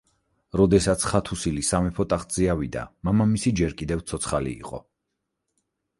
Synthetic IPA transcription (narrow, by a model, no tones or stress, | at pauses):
ɾɔd̪ɛsat̪sʰχat̪ʰusilisamɛpʰɔt̪ʼaχt̪z̥iavid̪a̰mamamisid͡ʒɛɾkʼid̪ɛft̪sʰɔt̪sʰχalḭḭqʼɔ̰